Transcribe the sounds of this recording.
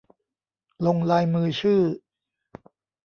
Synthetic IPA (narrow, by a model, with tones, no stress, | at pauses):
lo˧ŋlaː˧jmɯː˧t͡ɕʰɯː˥˩